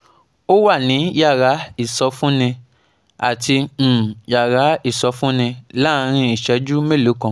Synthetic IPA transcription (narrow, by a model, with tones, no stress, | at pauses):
o˦wa˦˨nĩ˨˦ja˦˨ɾa˨˦i˦˨sɔ˧fũ˦nĩ˧ | a˨tĩ˧˨ja˨ɾa˨˦i˦˨sɔ˧fũ˦nĩ˧la˦˧ɾ̃ĩ˧i˨ʃɛ˧˦d͡ʒu˦mẽ˦˨lo˨˦kã˧